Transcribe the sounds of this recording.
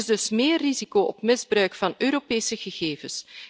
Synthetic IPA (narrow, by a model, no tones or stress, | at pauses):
ɪzdɵsmeːrːizikoːʔɔpmɪzbrœɥkfɑnøːɾopeːsəɣəɣeːvəs